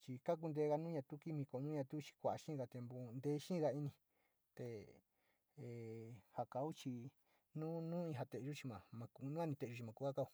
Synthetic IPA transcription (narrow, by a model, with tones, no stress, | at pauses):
t͡ʃi˧ka˦k̬u˧nd̪e˧ɣa˧nũ˦ɲã˧t̪u˦ki˦mĩ˧ko˧˨˧nũ˦ɲã˧t̪u˦t͡ʃi̥˧kʷa˧˨ʔa˧ʃĩ˦˧ɣa˧t̪je˧mbo˧nd̪eː˦ʃĩ˦˧ɣa˧i˧nĩ˧ | t̪e˧˨ | e˨ha˧ka˧u˦t͡ʃi˧ | nũ˦nũː˦ĩ˧ɦa˧t̪e˧ʒu˦t͡ʃi˧mã˨mã˧ku˧nũ˦a˦nĩ˧t̪e˧˨˧ʒu˧t͡ʃi˧˨mã˨ku˧˦a˦ka˧u˧